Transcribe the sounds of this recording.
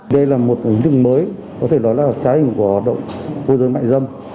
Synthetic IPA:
ɗə˧jlaː˨˩mo˨˩t̚i˨˦ŋ̟t̪ɨ˦˧˥ŋ̚məː˨˦j | kɔ˨˦t̪ʰe˧˩ɗɔ˨˦jlaː˨˩t͡ɕaː˨˦hï˧˩ŋ̟ku˧˩əhɔ˨˩t̚ɗə̰˧˨wŋ͡mvo˧zəː˨˦jma̰ː˧˨ŋzə˧˩wŋ͡m

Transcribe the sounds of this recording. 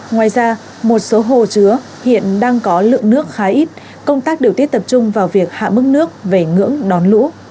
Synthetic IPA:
ŋwaː˨˩jzaː˧ | mo˨˩t̚so˨˦ɦo˧˨˩t͡ɕɨ˨˦ə | hḭ˧˨ənɗaː˧ŋkɔ˨˦lɨ̰˧˨əŋnɨ˦˥ək̚xaː˨˦ʔi˦˥t̚ | kə˧wŋ͡mt̪aː˦˥k̚ɗe˨˩t̪i˦˥ət̪̚t̪ə˨˩p̚t͡ɕʊ˧ŋ͡mvaː˨˩wvi˨˩ək̚ha̰ː˧˨mɨ˦˥k̚nɨ˦˥ək̚ve˨˩ŋɨ̰˧˥əŋɗɔ˨˦nlṵ˧˥

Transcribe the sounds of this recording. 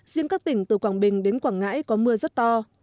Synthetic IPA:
zi˧əŋkaː˦˥k̚t̪ï˧˩ŋ̟t̪ɨ˨˩kwaː˧˩ɓï˨˩ŋ̟ɗe˨˦nkwaː˧˩ŋŋa̰ː˧˥jkɔ˨˦mɨ˧əzə˦˥t̚t̪ɔ˧

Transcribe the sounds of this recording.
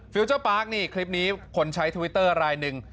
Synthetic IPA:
fi˧wt͡ɕəː˥˩paː˦˥k̚niː˥˩kʰli˦˥p̚niː˦˥kʰo˧nt͡ɕʰa˦˥jt̪ʰu˧wi˦˥t̪ːɤː˥˩ɾaː˧jnɯ˨˩ŋ

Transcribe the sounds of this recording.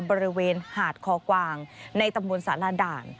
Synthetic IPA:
bɔː˧ɾi˦˧weː˧nhaː˨˩t̪̚kʰɔː˨˦kwaː˧ŋna˧jt̪a˧mbo˧nsaː˩˦la˧daː˨˩n

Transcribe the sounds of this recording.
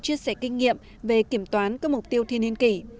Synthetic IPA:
t͡ɕi˧əsɛ˧˩kï˧ŋ̟ŋḭ˧˨əm | ve˨˩ki˧˩əmt̪waː˨˦nkaː˦˥k̚mʊ˨˩k͡p̚t̪i˧əwt̪ʰi˧˨əni˧ənki˧˩

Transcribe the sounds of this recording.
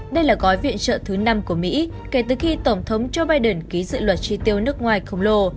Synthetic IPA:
ɗə˧jlaː˨˩ɣɔ˨˦jvḭ˧˨ənt͡ɕə̰ː˧˨t̪ʰɨ˨˦na˧mku˧˩əmḭ˧˥ | ke˨˩t̪ɨ˨˩xi˧t̪ə˧˩ŋ͡mt̪ʰə˨˦wŋ͡mt͡ɕo˧ɓaː˧jɗə˨˩nki˨˦zɨ̰˧˨lwə˨˩t̚t͡ɕi˧t̪i˧əwnɨ˦˥ək̚ŋwaː˨˩jxə˧wŋ͡mlo˧

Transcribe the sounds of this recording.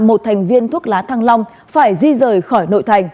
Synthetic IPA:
mo˨˩t̚t̪ʰjŋ̟vi˧ənt̪ʰu˦˥ək̚laː˨˦t̪ʰaː˧ŋla˧wŋ͡m | faː˧˩jzi˧zəː˨˩jxɔ˧˩jno̰˧˨jt̪ʰa˨˩jŋ̟

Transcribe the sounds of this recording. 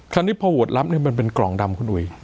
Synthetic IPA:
kʰa˧nt̪ʰiː˥˩pʰɔː˧wu˨˩ət̪̚la˦˥p̚ni˥˩ɐma˧np̬e˧nklɔ˨˩˦ŋda˧mkʰu˧nʔu˨˩j

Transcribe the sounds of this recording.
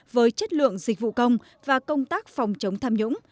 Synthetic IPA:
vəː˨˦jt͡ɕə˦˥t̚lɨ̰˧˨əŋzï˨˩k̟̚vṵ˧˨kə˧wŋ͡m | vaː˨˩kə˧wŋ͡mt̪aː˦˥k̚fɔ˨˩wŋ͡mt͡ɕə˨˦wŋ͡mt̪ʰaː˧mɲʊ̰˧˥ŋ͡m

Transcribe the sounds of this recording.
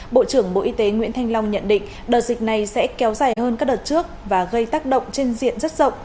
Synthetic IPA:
ɓo̰˧˨t͡ɕɨ˧˩əŋɓo̰˧˨ʔi˧t̪e˨˦ŋwḭ˧˥ənt̪ʰa˧jŋ̟la˧wŋ͡mɲə̰˧˨nɗḭ̈˧˨ŋ̟ | ɗəː˨˩t̚zï˨˩k̟̚na˨˩jsɛ̰˧˥kɛ˨˦wzaː˨˩jɦəː˧nkaː˦˥k̚ɗəː˨˩t̚t͡ɕɨ˦˥ək̚vaː˨˩ɣə˧jt̪aː˦˥k̚ɗə̰˧˨wŋ͡mt͡ɕe˧nzḭ˧˨ənzə˦˥t̚z̥ə̰˧˨wŋ͡mʔ

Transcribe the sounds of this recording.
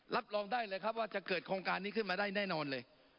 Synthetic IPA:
lʔa˦˥p̚lɔː˧ŋdaː˥˩jlɤː˧jkʰa˦˥p̚waː˥˩t͡ɕa˨˩kɤː˨˩t̪̚kʰɾoː˧ŋkaː˧nːiː˥˩kʰɯ˥˩nmaː˧daː˥˩jnɛː˥˩nɔː˧nlɤː˧j

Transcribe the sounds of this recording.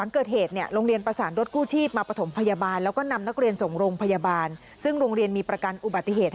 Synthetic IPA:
a˩˦ŋkɤː˨˩t̪̚heː˨˩t̪̚ni˥˩əɾoː˧ŋɾi˧ənpɾa˧saː˩˦nɾo˦˥t̪̚kuː˥˩t͡ɕʰiː˥˩p̚maː˧pɾa˧t̪ʰmpʰa˧ja˧baː˧nlɛ˦˥wkɔː˥˩na˧mna˦˥k̚ɾi˧ənso˨˩ŋɾoː˧ŋpʰa˧jaː˧baː˧n | sɯ˥˩ŋɾoː˧ŋɾi˧ənmiː˧pɾa˧ka˧nʔu˨˩ba˨˩t̪ːi˧˩ɦeː˨˩t̪̚

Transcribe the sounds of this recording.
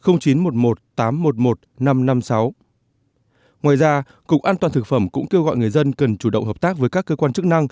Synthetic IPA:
xə˧wŋ͡mt͡ɕi˨˦nmo˨˩t̚mo˨˩t̚t̪aː˨˦mːo˨˩t̚mo˨˩t̚na˧mna˧msa˨˦w | ŋwaː˨˩jzaː˧ | kʊ˨˩k͡p̚ʔaː˧nt̪waː˨˩nt̪ɨ˨˩k̚fə˧˩mkʊ̰˧˥ŋ͡mke˧wɣɔ̰˧˨jŋɨ˨˩əjzə˧nkə˨˩nt͡ɕu˧˩ɗə̰˧˨wŋ͡mɦəː˨˩p̚t̪aː˦˥k̚vəː˨˦jkaː˦˥kːəː˧kwaː˧nt͡ɕɨ˦˥k̚na˧ŋ

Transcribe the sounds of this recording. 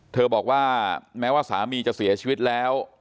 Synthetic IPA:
t̪ʰɤː˧bɔː˨˩k̚waː˥˩mɛː˦˥waː˥˩sa̰ː˩˦miː˧t͡ɕa˨˩si˨˩˦ɐt͡ɕʰiː˧wi˦˥t̪̚lɛː˦˥w

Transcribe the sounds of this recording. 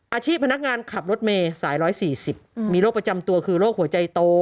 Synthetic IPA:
ʔaː˧t͡ɕʰiː˥˩pʰa˧na˦˥k̚ŋaː˧nkʰa˨˩p̚ɾo˦˥t̪̚meː˧saː˩˦jɾɔː˦˥jsiː˨˩si˨˩p̚miː˧loː˥˩kpɾa˧t͡ɕa˧mt̪u˧ɐkʰɯː˧loː˥˩k̚hu˩˦ɐt͡ɕa˧jt̪oː˧

